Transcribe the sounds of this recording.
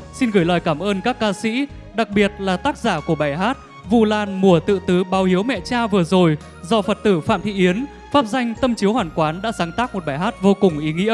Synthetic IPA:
si˧nɣɨ˧˩jləː˨˩jkaː˧˩mʔəː˧nkaː˦˥kːaː˧sḭ˧˥ | ɗa˨˩k̚ɓi˨˩ət̚laː˨˩t̪aː˦˥k̚zaː˧˩ku˧˩əɓaː˧˩jɦaː˦˥t̚ | vu˨˩laː˨˩nmu˨˩ət̪ɨ̰˧˨t̪ɨ˨˦ɓaː˨˦whi˨˦əwmɛ̰˧˨t͡ɕaː˧vɨ˨˩əzo˨˩j | zɔ˧fə˨˩t̚t̪ɨ˧˩fa̰ː˧˨mt̪ʰḭ˧˨ʔi˨˦ən | faː˦˥p̚za˧jŋ̟t̪ə˧mt͡ɕi˨˦əwhwaː˨˩nkwaː˨˦nɗa̰ː˧˥saː˨˦ŋt̪aː˦˥k̚mo˨˩t̚ɓaː˧˩jɦaː˦˥t̚vo˧kʊ˨˩ŋ͡mʔi˨˦ŋḭ˧˥ə

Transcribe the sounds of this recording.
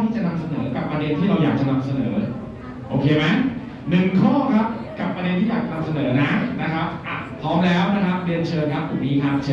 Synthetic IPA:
t̪ʰiː˥˩t͡ɕa˨˩na˧msa˧nɤː˩˦ka˨˩pːɾa˧de˧nt̪ʰiː˥˩ɾa˧wjaː˨˩k̚t͡ɕa˨˩na˧msa˧nɤː˩˦˩lɤː˦˧j | ʔoː˧kʰeː˧ma˦˥j | nɯ˨˩ŋkʰɔː˥˩kʰa˦˥p̚ka˨˩pːɾa˧de˧nt̪ʰiː˥˩jaː˨˩kt͡ɕa˨na˧msa˧nɤː˩˦na˦˥na˦˥kʰa˦˥p̚ʔa˨˩pʰɔː˦˥mlɛː˦˥wna˦˥kʰa˦˥p̚di˧ənt͡ɕʰɤː˧ŋkʰa˦˥p̚t̪u˨˩niː˦˥kʰaː˦˧˩t͡ɕʰː

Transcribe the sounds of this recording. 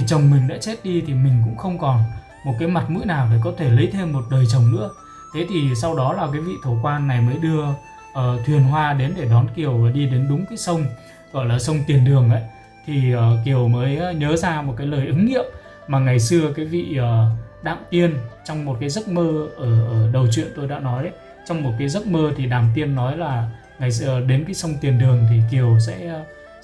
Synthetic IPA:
tʰi˨˩t͡ɕə˨˩wŋ͡mmï˨˩ŋ̟ɗa̰ː˧˥t͡ɕe˦˥t̚ɗi˧t̪ʰi˨˩mï˨˩ŋ̟kʊ̰˧˥ŋ͡mxə˧wŋ͡mkɔ˨˩n | mo˨˩kaː˨˦jma˨˩t̚mɨ̰˧˥jnaː˨˩wɗe˨˩kɔ˨˦t̪ʰe˧˩lə˨˦jt̪ʰe˧mːo˨˩t̚ɗəː˨˩jt͡ɕə˨˩wŋ͡mnɨ̰˧˥ə | t̪ʰe˨˦t̪ʰi˨˩sa˧wɗɔ˨˦laː˨˩k̬aː˨˦jvḭ˧˨t̪ʰo˧˩kwaː˧nːa˨˩jməː˨˦jɗɨ˧ə | ʔəː˨˩t̪ʰwi˨˩ənɦwaː˧ɗe˨˦nɗe˧˩ɗɔ˨˦nki˨˩əwaː˨˩ɗi˧ɗe˨˦nɗʊ˨˦ŋ͡mkaː˨˦jsə˧wŋ͡m | ɣɔ̰˧˨jlaː˨˩sə˧wŋ͡mt̪i˨˩ənɗɨ˨˩əŋʔə̰˧˦j | t̪ʰi˨˩ə˨˩ki˨˩əwməː˨˦jɲəː˨˦zaː˧mo˨˩t̚kaː˨˦jləː˨˩jʔɨ˨˦ŋŋḭ˧˨əm | maː˨˩ŋa˨˩jsɨ˧əkaː˨˦jvḭ˧˨əː˨˩ɗa̰ː˧˨mt̪i˧ənt͡ɕɔ˧wŋ͡mmo˨˩t̚kaː˨˦jzə˦˥t̚məː˧ʔəː˧˩ʔəː˧˩ɗə˨˩wt͡ɕwḭ˧˨ənt̪o˧jɗa̰ː˧˥nɔ˨˦jʔə˨˦j | t͡ɕɔ˧wŋ͡mmːo˨˩t̚kaː˨˦jzə˦˥t̚məː˧t̪ʰi˨˩ɗaː˨˩mt̪i˧ənːɔ˨˦jlaː˨˩ | ŋa˨˩jsəɗe˨˦nkaː˨˦jsə˧wŋ͡mt̪i˨˩ənɗɨ˨˩əŋt̪ʰi˨˩ki˨˩əwsɛ̰˧˥˧

